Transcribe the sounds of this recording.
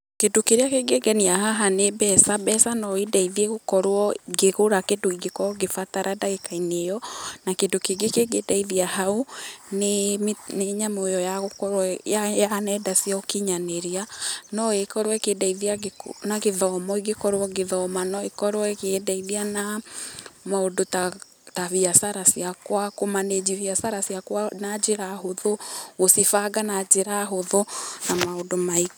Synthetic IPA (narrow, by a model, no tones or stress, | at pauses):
kedokeɾeakeɡeɡɛniahaɦanebɛsabɛsanɔidaiðjeɣokɔɾwɔɡeɣoɾakedoiɡekɔɔɡefataɾadaɣekainejɔnakedokeɡekeɡedaiðiahaonemneɲamojɔjaɣokɔajanɛdasiɔkiɲaneɾianɔekɔɾowɛkedaiðianaɡeðɔmɔiɡekɔɾwɔɡeðɔmanɔekɔɾwɛkedaiðiana | maodota | taviasaɾasiakwakomaned͡ʑiviasaɾasjakwanad͡ʑeɾaɦoðoosifaɡanad͡ʒeɾaɦoðonamaodomai